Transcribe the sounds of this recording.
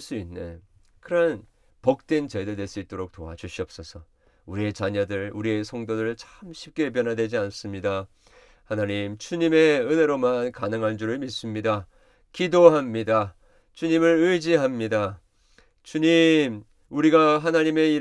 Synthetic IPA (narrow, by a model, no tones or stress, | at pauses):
s͈uinːḛ | kɯɾʌn | pʌk̚t͈we̞nt͡ɕededwe̞s͈iɭt͈oɾok̚t͈oa̰d͡ʑuɕʰiʌp̚s͈ʌsʰʌ | uɾie̞t͡ɕaɲʌdɯɭuɾie̞sʰʌŋdoɾɯɭt͡ɕʰḁmɕʰi̥p̚k͈e̞p̬jʌnɦadwe̞d͡ʑians͈ɯmɲida | hanaɲimt͡ɕuɲime̞ɯne̞ɾomankanɯŋɦand͡ʑuɾɯɭmis͈ɯmɲida | kidoɦamɲida | t͡ɕuɲimɯɾɯjd͡ʑiɦamɲida | t͡ɕuɲim | uɾiɡaɦanaɲime̞i